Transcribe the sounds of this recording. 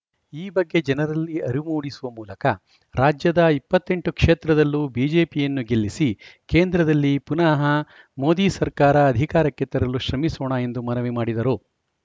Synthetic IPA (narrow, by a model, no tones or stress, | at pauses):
iːbɐɡːe̞d͡ʒɛnɐɾɐlːiɐɾimuːɽisuʋɐmuːlɐkɐ | ɾaːd͡ʒjɐd̪ɐipːɐt̪ːe̞ɳʈukʂeːt̪ɾɐd̪ɐlːubiːd͡ʒe̞ːpijɐnːuɡe̞lːisike̞ːnd̪ɾɐd̪ɐlːipunaːɦɐ | mo̞ːd̪iːsɐɾkaːɾɐːd̪ʱikaːɾɐkːet̪ɐɾɐluʃɾɐmisoːɳɐe̞nd̪umɐnɐʋimaːɽid̪ɐɾu